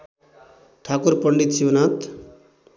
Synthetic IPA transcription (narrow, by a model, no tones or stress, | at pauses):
ʈʰakuɾpʌɳɖit̪siwnat̪